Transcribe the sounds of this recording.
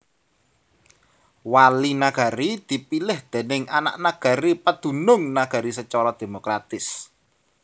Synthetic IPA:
walinaɡ̥a̤ɾid̪̥i̤pilɪhd̪̥e̤nɪŋana̰ʔnaɡ̥a̤ɾipad̪̥ṳnʊŋnaɡ̥a̤ɾisət͡ʃɔɾɔd̪̥e̤mokɾat̪ɪs

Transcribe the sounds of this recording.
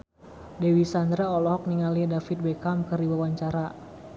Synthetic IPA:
dewisand̪ɾaɔlɔɦɔk̚niŋalidafit̪̚bɛkamkɨrdiwawaɲt͡ʃaɾa

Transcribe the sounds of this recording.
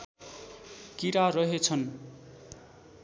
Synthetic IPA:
kiɾarʌɦet͡sʰʌn

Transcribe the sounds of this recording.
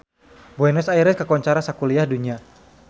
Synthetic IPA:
buɛnɛsaiɾɛskakɔɲt͡ʃaɾasakuliahduɲia

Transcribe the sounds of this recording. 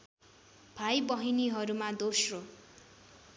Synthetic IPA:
b̥ʱajbʌɦiniɦʌɾumad̪osro

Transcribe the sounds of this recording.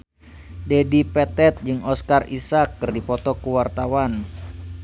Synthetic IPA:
dɛdipɛt̪ɛt̪̚d͡ʒɨŋɔskarisakːɨrdipɔt̪ɔkuwart̪awan

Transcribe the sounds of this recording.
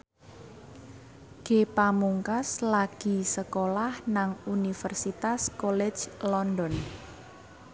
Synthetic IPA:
ɡ̥epamuŋkaslaɡ̥i̤səkolahnaŋunifərsit̪askɔlɛ̥d͡ʒlɔndɔn

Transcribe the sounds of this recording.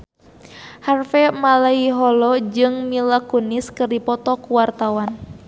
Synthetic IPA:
harfɛmalaiɦɔlɔd͡ʒɨŋmilakuniskɨrdipɔt̪ɔkuwart̪awan

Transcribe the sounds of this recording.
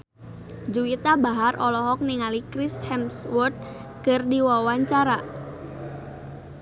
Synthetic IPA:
d͡ʒuit̪abaɦarʔɔlɔɦɔk̚niŋalikɾishɛmswɔt̪̚ | kərdiwawaɲt͡ʃaɾa

